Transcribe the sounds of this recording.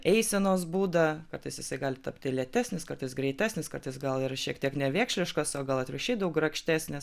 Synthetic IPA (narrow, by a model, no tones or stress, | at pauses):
ɛɪsʲɛnoːs̬buːd̪ɐkkɐrt̪ɐɪsjɪsɐɪɡɑːlʲɪt̪ɐpʲt̪ʲɪlʲiɛt̪ʲæːsʲnʲɪskɐrt̪ɐɪsɡɾʲɛɪt̪ʲæːsʲnʲɪskɐrt̪ɐɪsɡɐlˠɪrɐʃʲiɛkt̪ʲiɛknʲɛʋʲeːkʃʲlʲɪʃkɐsoːɡɐlˠɐt̪ʲɾʲɪʃʲiːd̪ɐʋʊɡrɐkʃʲt̪ʲæːsʲnʲɪs